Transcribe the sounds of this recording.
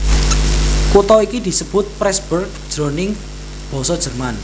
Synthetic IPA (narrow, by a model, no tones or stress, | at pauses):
kut̪ɔikid̪̥i̤səb̥ʊ̤t̪̚pɾɛsb̥ʊrk̚ʒ̥ɾonɪŋ | b̥ɔ̤sɔd̥ʒ̥ə̤rman